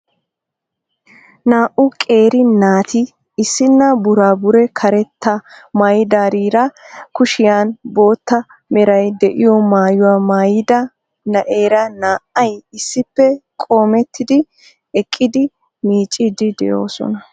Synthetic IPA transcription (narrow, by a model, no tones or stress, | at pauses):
naːʔʊkʼe̞ːɾɪnaːt̪ʰɪ | ɪsːɪnːɐbʊɾaːbʊɾɛkʰɐɾɛt̪ʰːɐmɐjd̪aːɾiːɾɐkʊʃɪjaːnbo̞ːt̪ːɐ | mɛɾɐjd̪ɛʔɪjɔmaːjʊwaːmajɪd̪ɐ | nɐʔe̞ːɾɐnaːʔɐjɪsːɪpːɛkʼo̞ːmɛt̪ːɪd̪ɪ | ɛkʼːɪd̪ɪ | miːt͡ʃʼːɪd̪ɪd̪ɛ̰jo̞̰ːsɔ̰nɐ